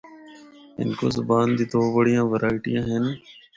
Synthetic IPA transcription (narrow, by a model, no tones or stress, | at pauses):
ɪ̰nko̰ːzəbaːnd̪iːd̪oːbəɽijãːʋəɾaːɪʈijãːɦɛnː